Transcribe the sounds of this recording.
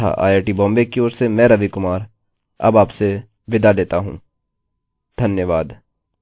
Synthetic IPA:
a̰ʔa̰ːjeːʈibɔ̃ːmbekioːɾsemɛ̃ːɾɐʋikʊmaːɾ | ɐ̰baːpse | ʋɪd̪aleːt̪aɦṵ̃ː | d̪ʱɐnjəʋaːd̪

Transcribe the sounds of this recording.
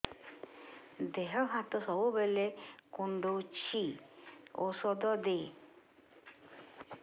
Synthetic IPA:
d̪eɦɔɦat̪ɔsɔbubelekuɳɖot͡ʃʰi | osɔd̪ɔd̪e

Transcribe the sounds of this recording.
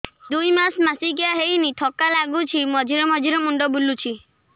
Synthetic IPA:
d̪ujmasmasikijaɦejnit̪ʰɔkalaɡut͡ʃʰimɔd͡ʒʱiɾɔmɔd͡ʒʱiɾɔmuɳɖɔbulut͡ʃʰi

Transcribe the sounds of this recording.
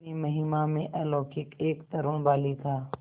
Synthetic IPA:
imɐɦiːmamẽʔɛːlɔːkɪkeːkt̪əɾõɽ̃baːlit̪ʰaː

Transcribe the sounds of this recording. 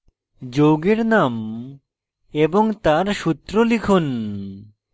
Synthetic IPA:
d͡ʒoɡeɾnam | ebɔŋt̪aɾʃut̪ɾolikʰun

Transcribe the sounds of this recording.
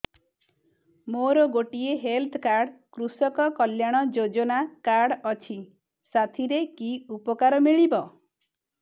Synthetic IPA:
moɾɔɡoʈieɦelt̪ʰkaɾɽkɾusɔkɔkɔljaɽ̃ɔd͡ʒod͡ʒɔnakaɾɽɔt͡ʃʰi | sat̪ʰiɾekiupɔkaɾɔmiɭibɔ

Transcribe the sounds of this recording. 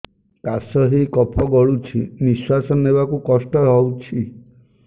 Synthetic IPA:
kasɔɦikɔpʰɔɡɔɭut͡ʃʰiniswasɔnebakukɔsʈɔɦɔwt͡ʃʰi

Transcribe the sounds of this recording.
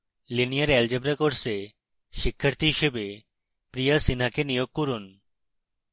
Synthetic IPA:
linijaɾɛld͡ʒebɾekoɾse | ʃikʰːaɾt̪iɦiʃebe | pɾijasinakenijoɡ̚koɾun

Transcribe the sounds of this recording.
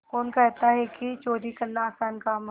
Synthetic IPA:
koːnkɛɦt̪aɦɛkit͡ʃoːɾikɐɾnaːsaːnkaːm

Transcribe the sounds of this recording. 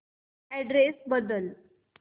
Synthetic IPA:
ɛɖɾesbəd̪əl

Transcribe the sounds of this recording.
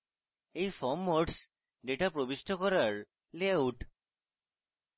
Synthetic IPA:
ejfʰɔmːoɖs | ɖeʈapɾobisʈʰɔkɔɾaɹ | leauʈ

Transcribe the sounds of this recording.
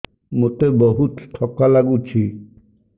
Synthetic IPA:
mot̪ebɔɦut̪ʈʰɔkːalaɡut͡ʃʰi

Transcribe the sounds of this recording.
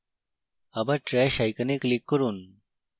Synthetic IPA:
ɐbɐʈɾeɕajkɐniklikːəɾun

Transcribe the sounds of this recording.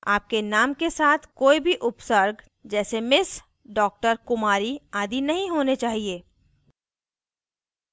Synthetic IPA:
aːp̚kenaːmkesaːt̪ʰkoːibʱiʔʊpsəɾɡ | d͡ʒɛːsemɪs | ɖɔːk̚ʈəɾkʊmaːɾiaːd̪inɐɦĩɦoːnet͡ʃaːɦieː

